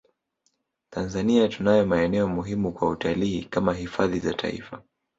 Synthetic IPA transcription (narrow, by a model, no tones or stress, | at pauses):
tanzaniatunajɔmaɛnɛɔmuɦimukwautʰaliːkamaɦifaðiza̰tʰa̰ḭfa